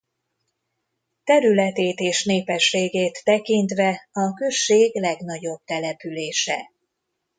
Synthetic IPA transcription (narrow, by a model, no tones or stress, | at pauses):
t̪ɛɾylɛt̪eːt̪eːʃneːpɛʃːeːɡeːt̪ːɛkint̪ʋɛɒkø̞ʃːeːɡlɛɡn̪ɒɟo̞b̚t̪ɛlɛpyleːʃɛ̰